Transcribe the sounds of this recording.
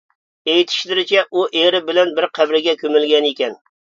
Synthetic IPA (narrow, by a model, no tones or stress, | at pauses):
ejit̪ʰɪ̥ʃlɪɾɪt͡ʃʰɛʔuʔeɾɪbɪlɛnbɪɾqʰævɾɪɡʲɛkʲømɪlɡʲɛnekʲɛn